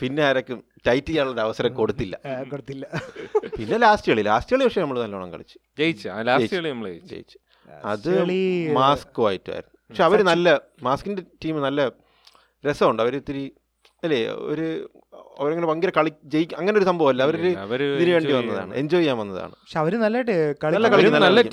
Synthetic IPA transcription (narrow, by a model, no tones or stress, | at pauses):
pinːeɐːɾɐkʲːum | tɐjtːijaːuɭːoɾɐʋɐsɐɾɐmko̞ɽut̪ːilːɐ̰koɽut̪ːilːɐpinːe̞laːsʈijɐɭila̰ːsʈijɐɭiʋɐkʂɐmnɐmːɐɭnɐlːɐuɳɐ̰ŋkɐ̰ɭit͡ɕːɨ̥t͡ɕejit͡ɕːɨalaːesjiʈɐɭinɐmːɐɭet͡ɕḛjḭt͡ɕːɨ̥ | ɐðɨmaːskːʋaːjitːua̰ːj̰iɾunːupɐkʂeɐʋɐɾunɐlːɐ | maːskːindetːiːmɨnɐlːɐ | ɾesɐʋuɳɖɨɐʋɐɾet̪ːiɾi | ɐlːeo̰ɾu | ɐ̰ʋɐɾeŋːɐnepɐŋɡiɾɐkɐɭikʲːt͡ɕejikʲːuɐŋːɐneoɾusɐmbʱɐʋɐlːɐɐʋɐɾoɾuʋɐɾiðiniʋeːɳɖiʋɐnːɐða̰ːɳɨ̰ʔeɲd͡ʑoːjːaːmʋɐnːɐða̰ːɳɨɐkʂeɐʋɐɾunɐlːajʈɨkɐɭiɐlːɐkɐɭikːnɐlːɐlːɐkː